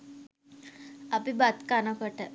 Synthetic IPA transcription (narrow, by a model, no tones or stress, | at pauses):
apibat̪kanakəʈa